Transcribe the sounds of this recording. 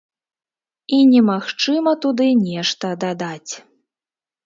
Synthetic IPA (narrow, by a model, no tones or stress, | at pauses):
inʲɛmaxt͡ʂɨmɐt̪ud̪ɨnʲɛʂt̪ɐd̪ad̪at͡sʲ